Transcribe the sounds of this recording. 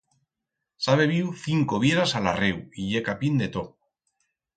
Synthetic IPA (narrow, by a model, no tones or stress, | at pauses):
saβ̞e̞βiwθiŋko̞βje̞ɾasalarewiʎe̞kapind̪e̞t̪o